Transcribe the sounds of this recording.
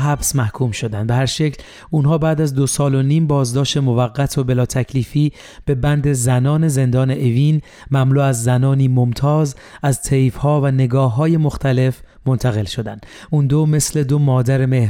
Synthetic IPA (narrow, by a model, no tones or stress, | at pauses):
ɦæbsmæhkʰuːmʃo̞d̪ænbe̞ɦæɾʃe̞cʰl | uːnɦɒːbæːd̪æzd̪o̞sɒːlo̞niːmbɒːzd̪ɒːʃt̪e̞movæɣːæt̪ʰobe̞lɒːt̪ʰæcʰliːfiː | b̥e̞bænd̪e̞zænɒːne̞ze̞nd̪ɒːne̞ʔeviːn | mæmluːæzːænɒːniːmo̞mt̪ʰɒːzæzt̪ʰejfhɒːvæne̞ɡɒːɦːɒːje̞mo̞xt̪ʰæle̞f | mont̪ʰæɣe̞lʃo̞d̪ænd̪̥ | ʔund̪ome̞sle̞d̪o̞mɒːd̪æɾeme̞h